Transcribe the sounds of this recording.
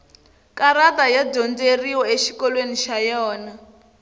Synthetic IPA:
kaɾatajadɔnd͡zeriwɔeʃi̥kɔlweniʃajɔːna

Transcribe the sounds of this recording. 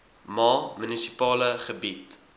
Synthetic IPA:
mɑːmynisipɑːləχəbit

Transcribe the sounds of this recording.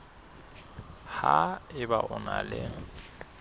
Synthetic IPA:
haɪbaʔʊnalɛŋ̩

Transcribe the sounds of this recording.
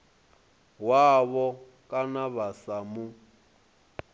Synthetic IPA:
waβɔ | kʼanaβasamu

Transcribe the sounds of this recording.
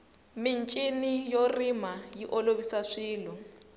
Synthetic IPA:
min̩t͡ʃʼinijorimajiʔɔloβisaʂiːlɔ

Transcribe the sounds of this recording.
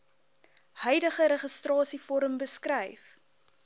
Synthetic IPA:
hœjdəχəɾeχəstrɑːsifɔɾəmbəskrɛjf

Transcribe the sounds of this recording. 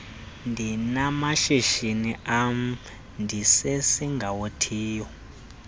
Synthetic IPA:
ndʱinamaʃeʃiniʔam | ndʱisesiŋɡʱawotʰiːjɔ

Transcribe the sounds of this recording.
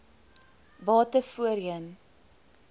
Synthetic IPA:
bɑːtəfuəɾiən

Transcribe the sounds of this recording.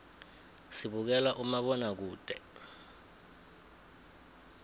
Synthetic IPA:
siɓuk̬ɛlaʔumaɓɔnak̬uːd̥ʱʼɛ

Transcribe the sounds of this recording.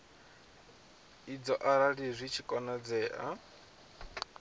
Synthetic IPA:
id͡zɔʔaɾaɺizʷit͡ʃʰikʼɔnad͡zɛːʔa̰

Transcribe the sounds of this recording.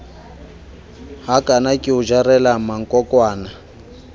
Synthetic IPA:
ɦakʼanakʼɪud͡ʒarɛlamaŋ̩kʼɔkʼwaːna

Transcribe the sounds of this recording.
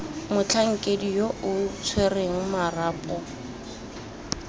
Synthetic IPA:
mʊt͡ɬʰaŋ̩kʼedijoʔʊt͡sʰwereŋ̩maraːpʼɔ

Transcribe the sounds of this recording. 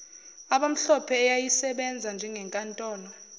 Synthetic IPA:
aɓam̩ɬɔpʰɛːjajisɛɓɛnd͡zʱand͡ʒʱɛŋɡʱɛŋkʼantʼɔːnɔ

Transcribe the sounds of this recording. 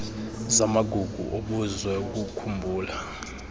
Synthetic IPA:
zamaɡ̥ʱuɡ̥ʱṵʔoɓuzwɛuk̬ukʰumbʱuːla

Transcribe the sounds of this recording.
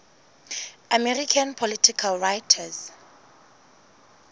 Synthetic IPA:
amɛrikʰãnpʰɔlitʰikʰalɹajtʰaz

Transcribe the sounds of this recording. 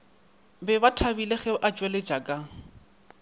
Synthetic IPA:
bɛbatʰabileɣɛʔat͡ʃʼwelɪd͡ʒʼakʼa

